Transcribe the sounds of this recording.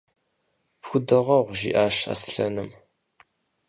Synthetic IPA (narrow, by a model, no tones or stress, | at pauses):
pxʷʊdɐʁɐʁʷʒḭːʔaːɕa̰sɬɐnɨm